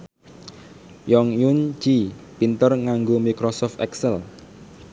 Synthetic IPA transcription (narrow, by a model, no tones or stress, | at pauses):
jɔŋjund͡ʒ̥ipint̪ərŋaŋɡomikɾɔsɔft̪ɛksɛl